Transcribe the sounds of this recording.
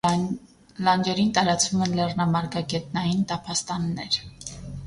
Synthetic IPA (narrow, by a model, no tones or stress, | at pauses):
lɑnd͡ʒɛɾint̪ɑɾɑt͡svumɛnlɛrnɑmɑɾɡɑɡɛt̪̚nɑjint̪ɑpʰɑst̪ɑnːɛɾ